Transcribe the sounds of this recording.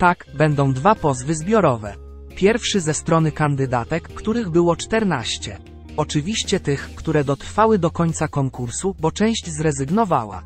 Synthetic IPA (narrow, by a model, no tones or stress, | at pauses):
t̪aɡbɛnd̪ɔ̃w̃d̪vapɔzvɘzbʲjɔɾɔvɛ̰ | pʲjɛɾfʂɘzɛst̪ɾɔnɘkand̪ɘd̪at̪ɛkːt̪uɾɘɣbɘwɔt͡ʂt̪ɛɾnaɕt͡ɕɛ̰ | ɔt͡ʂɘvʲiɕt͡ɕɛt̪ɘxːt̪uɾɛd̪ɔt̪ɾfawɘd̪ɔkɔɲʲt̪sakɔŋkuɾsubɔt͡ʂɛ̃w̃ɕd͡ʑzɾɛzɘɡnɔva̰wa̰